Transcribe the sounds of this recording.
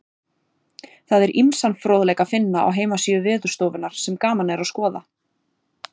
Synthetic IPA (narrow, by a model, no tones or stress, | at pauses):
θaðɛɾʔimsanfɾoːwðlɛjkafɪnːaʔa̰wɦeːjmasiːðʏvɪːðʏ̥st̪owvɪnaɾ̥sɛmkaːmanɛɾaðskɔːða